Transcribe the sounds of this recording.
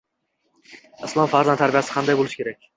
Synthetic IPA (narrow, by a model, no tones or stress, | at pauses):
ɪslˠɒmfaɾzant̪ʰaɾbijasɪ̥qʰand̪ajbolɪʃkʰʲe̞ɾak̚ʲ